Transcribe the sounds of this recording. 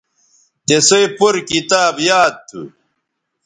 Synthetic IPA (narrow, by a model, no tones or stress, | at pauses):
t̪esojpuɾkit̪aːbjaːd̪̚t̪ʰṵ